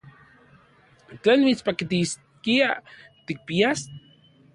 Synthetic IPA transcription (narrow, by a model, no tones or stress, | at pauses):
t͡ɬenmit͡spakit̪is | kiat̪ik̚pias